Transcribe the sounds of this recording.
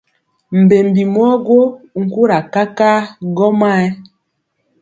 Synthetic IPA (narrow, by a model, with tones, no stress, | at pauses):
m̩˨be˨mbi˨mwɔ˦ɡo˦˨ŋ̩˨ku˦ɾa˨ka˦ka˦ɡɔ˦ma˦ɛ˦